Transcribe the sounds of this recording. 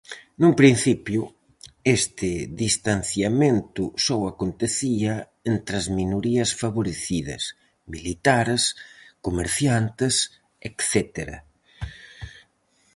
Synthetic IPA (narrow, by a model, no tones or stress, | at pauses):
numpɾinθipjʊ | est̪ɪðist̪an̟θjamẽnt̪ʊsowakont̪eθiɐ | ent̪ɾɐzminoɾiɐsfaβoɾeθiðɐ̰s | milit̪aɾskomeɾθjant̪ɪs | ekθɛt̪eɾɐ̰